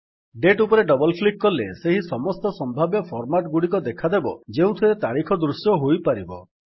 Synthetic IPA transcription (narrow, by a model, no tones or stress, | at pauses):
ɖeʈupɔɾeɖɔbɔlpʰlikːɔlḛseɦisɔmɔst̪ɔsɔmbʱabjɔpʰɔɾmaʈɡuɽikɔd̪ekʰad̪ebɔd͡ʒeũt̪ʰiɾet̪aɽikʰɔd̪ɾusjɔɦojpaɾibɔ̰